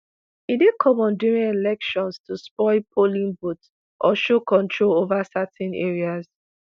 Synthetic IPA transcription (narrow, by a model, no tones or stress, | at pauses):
idekʰɔ̃mɔ̃nduɹĩnelɛkʃɔ̃nstʰuspɔɪpʰolĩnbut | ʔɔʃokɔ̃ntʰɹolovasatɛ̃nḛɹiaz